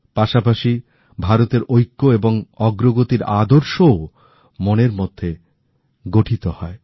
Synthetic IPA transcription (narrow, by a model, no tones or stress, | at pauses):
paʃapaʃi | bʱaɾot̪eɾʔojkːoeboŋɔɡɾoɡot̪iɾa̰d̪oɾʃoo | moneɾmod̪ʱːe | ɡoʈʰit̪ohɔe